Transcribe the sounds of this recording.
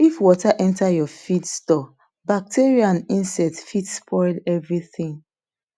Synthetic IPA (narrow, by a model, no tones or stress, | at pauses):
ifwɔtaʔɛ̃ntajɔfidstɔ | bak̚teɹiãnĩnsɛtfitspʰɔɪlɛvɹiθĩŋ